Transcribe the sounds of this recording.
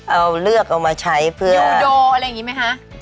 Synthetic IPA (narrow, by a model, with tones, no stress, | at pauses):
ʔa˧wlɯ˥˩ək̚ʔa˧wmaː˧t͡ɕʰa˦˥jpʰɯ˥˩ɐ˧joː˧a˧ɾa˧ja˨˩ŋiː˦˥ma˦˥jkʰa˦˥ʔ